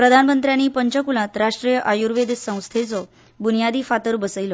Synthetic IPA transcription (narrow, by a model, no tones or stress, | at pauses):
pɾəd̪ʱanmənt̪ɾjanːiːpəɲt͡ɕəkulãt̪ɾaʂʈɾijəʔajuɾʋed̪sə̃w̃st̪ʰet͡sɔ | bunijad̪iːfat̪əɾbəsəjilɔ